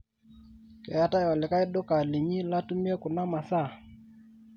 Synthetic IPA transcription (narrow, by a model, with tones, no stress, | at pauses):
kɛ˨ja˨ta˦ja˨lɪ˨ka˦ɪ˦dʊ˦ka˨li˨ɲi˦la˦tu˦mi˦ɛ˦kʊ˨na˦ma˨sa˦˨